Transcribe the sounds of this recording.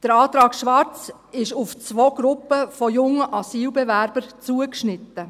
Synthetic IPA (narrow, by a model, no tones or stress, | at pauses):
d̥əɾɑːt̪ɾɑːkʃʋɑɾt͡s | ɪʃʊft͡sʋoɡ̥ɾʊpːəfɔjʊŋːəʔɑsiːlbɛvæɾb̥əɾt͡suəkʃnɪtːə